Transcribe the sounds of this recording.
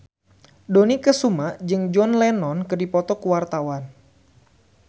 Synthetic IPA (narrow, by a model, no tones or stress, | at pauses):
donikəsumad͡ʒɨŋd͡ʒɔnlɛnɔnkɨdipɔt̪ɔkəwart̪awan